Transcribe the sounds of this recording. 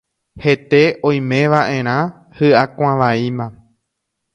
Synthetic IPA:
he̞t̪e̞ʔõj̃mẽ̞ʋaʔẽ̞ɾ̃ã | hɨʔakʷãʋaimã

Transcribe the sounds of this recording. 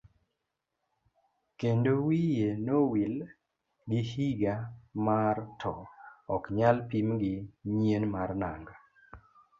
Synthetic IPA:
kendowijenowil | ɡihiɡamartʰɔɔkɲalpimɡɪɲienmarnaŋɡa

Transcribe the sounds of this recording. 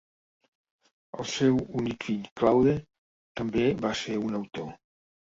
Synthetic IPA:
ə̰lˠsɛwunikfiʎklawðe | t̪əmbeβaseɾunəwt̪o

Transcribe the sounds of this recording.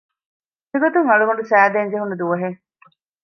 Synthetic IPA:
meɡot̪uŋɐɭuɦuɳɖusæːd̪eɲd͡ʒeɦunːud̪uʋɐɦe

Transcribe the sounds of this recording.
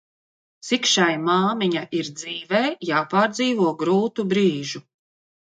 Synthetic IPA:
sikʃajmaːmiɲaʔiɾd̪ziːvɛːjaːpaːɾd̪ziːvuɔɡɾuːt̪ubɾiːʒu

